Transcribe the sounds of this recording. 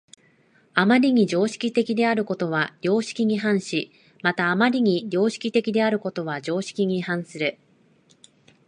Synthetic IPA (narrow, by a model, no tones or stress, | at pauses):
amaɾʲiɲ̟id͡ʑo̞ːɕi̥kʲit̪e̞kʲid̪e̞aɾɯ̟ko̞t̪o̞βaɾʲo̞ːɕi̥kʲiɲ̟iɦãɰ̃ɕi | mat̪aːmaɾʲiɲ̟iɾʲo̞ːɕi̥kʲit̪e̞kʲid̪e̞aɾɯ̟ko̞t̪o̞βad͡ʑo̞ːɕi̥kʲiɲ̟ihãɰ̃sɨɾɯ̟